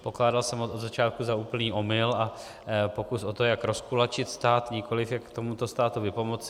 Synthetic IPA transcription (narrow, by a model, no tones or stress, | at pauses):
po̞klaːdalsɛmot͡sod̪zat͡ʃaːt̪̚kuzauːpl̩niːʔo̞mɪla | po̞kusʔo̞t̪o̞jakɾo̞skulat͡ʃɪt̪st̪aːt̪ɲɪko̞lɪfjakkt̪o̞mut̪o̞st̪aːt̪uvɪpo̞mot͡sɪ